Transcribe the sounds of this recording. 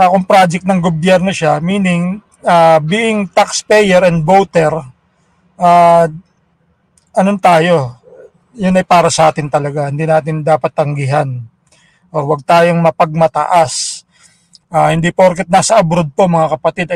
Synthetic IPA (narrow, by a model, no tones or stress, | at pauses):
akʊŋpɾaːd͡ʒɛk̪̚nɐŋɡobjɛɾno̞ʃamiːnɪŋ | ʔaːbiːʔɪŋt̪akspɛjɛɾɛnd̪̚bowt̪ɛɾ | ʔaː | ʔɐnont̪aːjo̞ | jʊnɐjpaːɾɐsɐʔaːt̪ɪnt̪ɐlɐɡahɪnd̪iːnaːt̪ɪnd̪aːpɐt̪ːɐŋɡɪɦan | ʔoɾwɐɡ̚t̪aːjo̞ŋmɐpɐɡ̚mɐt̪ɐ̰ʔas | ʔaːhɪnd̪ipoɾkɛt̪̚naːsɐʔɐbɾod̪̚pomɐŋakɐpɐt̪ɪd̪ɐ